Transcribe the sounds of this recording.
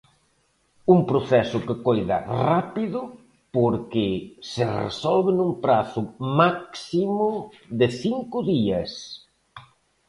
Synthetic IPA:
uŋpɾʊθɛsʊkɪkojðɐ̰rapiðʊ | poɾkɪsɪrḛsɔlβɪnumpɾaθʊmaksimʊðɪθiŋkʊðiɐs

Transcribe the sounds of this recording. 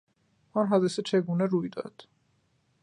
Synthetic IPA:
ɔnɦɒːd̪esɛt͡ʃʰeɡuːnɛɾujd̪ɒ̰d̪̥

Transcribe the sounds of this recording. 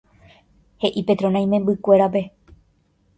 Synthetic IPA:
he̞ʔipe̞t̪ɾonãj̃mẽmbɨkʷe̞ɾape̞

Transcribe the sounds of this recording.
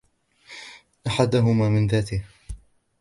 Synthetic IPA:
ʔaħad̪ʊɦʊmaːmɪnðaːt̪ɪh

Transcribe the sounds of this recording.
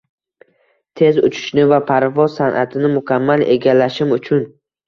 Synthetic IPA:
t̪ʰe̞zʊt͡ʃʰɪ̥ʃnɪvapʰaɾvɒzsanʔa̰t̪ʰɪnɪmʊkʲʰamːale̞̰ɡʲalːaʃɪmʊt͡ʃʰʊn

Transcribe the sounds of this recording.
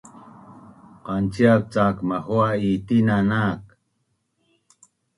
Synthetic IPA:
qɑnt͡ʃiak̚t͡saːkmaxuaiːt̪inanak

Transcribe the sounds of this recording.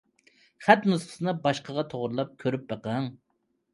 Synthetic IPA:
χæt̪nusqʰə̥sɨnɨbɑʃqʰəʁɑt̪ʰoʁɾlˠɑp̚kʲʰøɾyp̚bəqɑŋ

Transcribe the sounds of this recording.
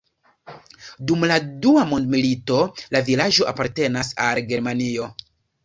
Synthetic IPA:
dumladuamo̞ndmilito̞lavilad͡ʒo̞ʔa̰paɾte̞nasalɡe̞ɾmanio̞

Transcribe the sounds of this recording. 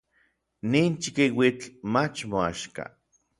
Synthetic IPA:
niːnt͡ʃikiwit͡ɬmat͡ʃmoaʃka̰

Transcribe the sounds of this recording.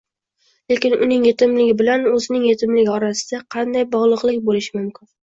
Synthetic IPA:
le̞kʲɪnʊnɪŋjet̪ɪmlɪɡʲɪbɪlanɵzɪnɪŋjet̪ʰɪmlɪɡʲɒɾasɪd̪̥aqʰɑnd̪ajbɒʁlˠɨqlˠɪkʲbolɪʃɪmʊmkʲɪn

